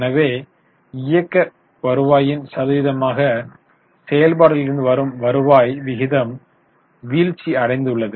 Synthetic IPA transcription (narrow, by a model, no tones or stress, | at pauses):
nɐʋeː | ɪjɐkːɐ | pɐɾɯʋaːjɪnsɐðɯʋɪðɐmaːɣɐ | sɛjɐlbaːɽɪlɪɾɯnd̪ɯʋɐɾɯmʋɐɾɯʋaːjʋɪɣɪðɐm | ʋiːɻt͡ʃːiɐɽɐɪnd̪ɯɭːɐðɯ